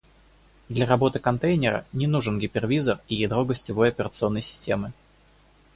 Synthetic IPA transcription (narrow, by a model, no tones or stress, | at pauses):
d̪lʲɐɾɐbo̞t̪ɨkɐnt̪ejnʲɪɾə̰nʲɪnuʐɨnɡʲɪpʲɪrvʲizərijejd̪ɾo̞ɡəsʲtʲɪvo̞jɐpʲɪɾət̪sɨo̞nːəjsʲɪ̥sʲtʲemɨ